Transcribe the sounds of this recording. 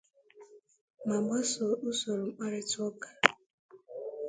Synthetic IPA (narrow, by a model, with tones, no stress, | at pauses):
ma˨ɡ͡ba˦so˨ʊ˦so˨ɾo˨ŋ͡m̩˦k͡pa˦ɾɪ˦tʊ˦ɔ˦kḁ˨